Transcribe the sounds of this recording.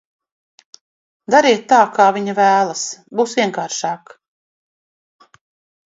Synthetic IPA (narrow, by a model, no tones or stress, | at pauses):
d̪aɾiːt̪ːaːkaːvʲiɲavæːlˠasbuːsvʲiɛŋkaːɾʃaːk